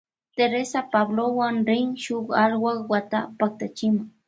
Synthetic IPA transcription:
t̪eɾesapablowaŋɾɪŋʃʊχalwakwat̪apak̚t̪at͡ʃɪmʊŋ

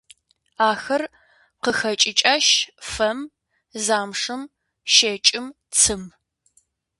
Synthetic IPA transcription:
aːxɐr | qəxɐt͡ʃʼɪt͡ʃʼaːʃfɐm | zaːmʂɨm | ʃeːt͡ʃʼɪm | t͡sʰɨm

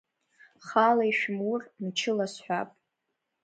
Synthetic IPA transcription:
χalajʃᶣmurmt͡ʃʰɪlasħʷᶣapʼ

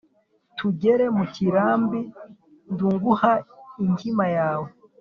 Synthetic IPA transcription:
tʰuɟe̞ɾe̞muciɾaːmbi | nduŋɡuhaiɲhimajaːwe

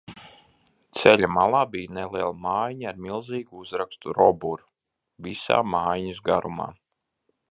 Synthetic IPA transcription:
t̪sɛlʲamalˠaːbijnelˠiɛlˠamaːjɲaaɾmilˠziːɡuuzɾakst̪uɾɔbuɾ | visa̰ːmaːjɲisɡaɾuma̰ː

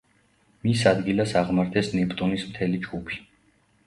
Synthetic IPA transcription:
misad̪ɡilasaʁmaɾt̪ʰɛsnɛpʼt̪ʼunismt̪ʰɛlid͡ʒɡupʰi̥

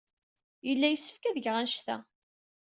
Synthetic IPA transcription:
jəlːæjəsːə̥fkæðəʝʁænʃt̪æ̰

